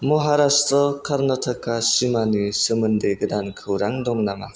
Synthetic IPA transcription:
mɔɦaɾastɔkʰaɾnɔtʰakːasimanisɯmɯndɯjɡɯdankʰɯwɾaŋdɔŋnama̰

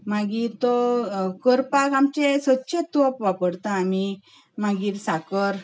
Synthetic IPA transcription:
maɡit̪ɔkəɾpakamt͡ɕesətːɕet̪opʋapəɽt̪aːmi | maɡiːɾsakəɾ

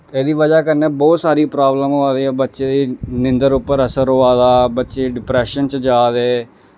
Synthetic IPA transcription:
ɛːd̪iːʋəd͡ʒaːkəɾnẽːbɔːt̪saːɾiːpɾaːbləmɦoːaːd̪eːɛːbətːʃeːd̪iːnɪnd̪əɾʊpːəɾəsəɾoːaːd̪aːbətːʃeːɖɪpɾɛːʃənt͡ʃd͡ʒaːd̪ɛː

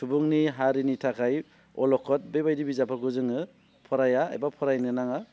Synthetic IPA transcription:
subuŋniɦaɾinitʰakʰaj | ɔ̰lɔkʰɔt̚bebajdibizapʰaɡuzɯŋɯ | pʰɔɾaja̰ːjbapʰɔɾajnɯnaŋa

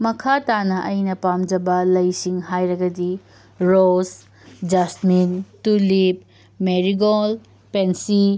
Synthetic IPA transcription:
mɐkʰatanɐʔɐjnɐpamd͡ʒɐbɐlɐjsiŋɦajɾɐɡɐdi | ɾos | d͡ʒasmintulip̚ | meɾiɡol | pensi

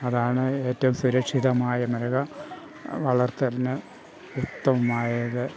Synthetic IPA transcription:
ɐðaːɳɨe̞ːtːɐʋumsuɾɐkʂiðɐmaːjɐmɐɾɐɣɐ | ʋɐɭɐrt̪ɐlnɨ | ut̪ːɐʋumaːjɐðɨ

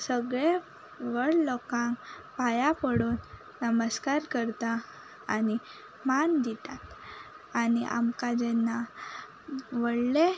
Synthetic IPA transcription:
səɡɭe | ʋəɭlɔkãŋkpajapəɽoːn | nəməskaɾkəɾt̪a | ani | mand̪it̪at̪ | aniʔa̰mkad͡ʑɛnːa | ʋəɽle

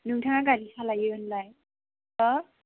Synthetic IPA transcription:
nɯŋtʰaŋaɡalisʰalajɯɯnlaj | ɔ

